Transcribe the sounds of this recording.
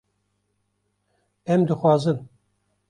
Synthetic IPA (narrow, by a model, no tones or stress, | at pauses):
ɛmd̪ɨxwɑːzɨn